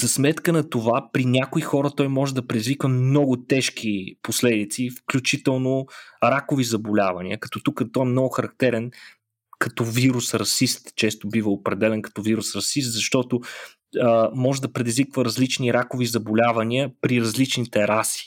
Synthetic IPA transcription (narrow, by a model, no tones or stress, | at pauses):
zɐsmɛt̪kənɐt̪ovapɾinʲakʊixɔɾət̪ɔjmɔʒɛd̪ɐpɾɛd̪izvikvəmnɔɡʊt̪ɛʃkiposlɛd̪it̪sifklʲut͡ʃit̪ɛlˠnoɾakʊvizɐbolʲavɐnḭəkɐ̥t̪ɔt̪ukət̪ɔɛmnɔɡʊxɐɾɐk̚t̪ɛɾɛn | kɐt̪ɔviɾusɾɐsist̪t͡ʃɛst̪ʊbivəopɾɛd̪ɛlɛnkɐ̥t̪ɔviɾusɾɐsist̪zɐʃt̪ɔt̪ʊ | mɔʒɛd̪ɐpɾɛd̪izvikvəɾɐzlit͡ʃniɾakovizɐbolʲavɐniəpɾiɾɐzlit͡ʃnit̪ɛɾasi̥